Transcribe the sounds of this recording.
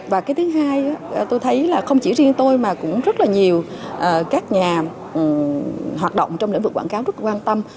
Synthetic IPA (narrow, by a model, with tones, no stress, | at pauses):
vaː˨˩kaː˨˦t̪ɨ˨˦ŋɦaː˧ja˨˦˨t̪o˧jt̪ʰə˨˦jlaː˨˩xə˧wŋ͡mt͡ɕḭ˧˩zi˧ənt̪o˧jmaː˨˩kʊ̰˧˥ŋ͡mzə˦˥t̚laː˨˩ɲi˨˩əwʔəː˨˩kaː˦˥k̚ɲaː˨˩˨ | hwaː˨˩t̚ɗo̰˧˨wŋ͡mt͡ɕɔ˧wŋ͡mlḭ˧˥ŋ̟vɨ˨˩k̚wa̰ː˧˩˨kaː˨˦wzə˦˥t̚laː˨˩kwaː˧nt̪ə˧m